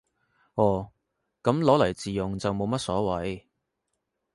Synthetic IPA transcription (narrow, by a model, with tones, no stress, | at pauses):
ɔː˨˩ | kɐ˨˥mlɔː˨˥lɐ˨˩jt͡siː˨jʊ˨ŋt͡sɐ˨wmo˨˧wmɐ˥t̚sɔː˨˥wɐ˨˥j